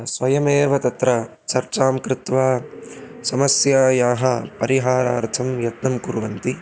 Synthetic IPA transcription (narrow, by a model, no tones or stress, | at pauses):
sʋɐjɐmeːʋɐt̪ɐt̪ɾɐ | t͡ʃɐɾt͡ʃaːmkɾɪt̪ʋaː | sɐmɐsjaːjaːɦɐpɐɾiɦaːɾaːɾt̪ʰɐmjɐt̪nɐmkuɾʋɐnt̪i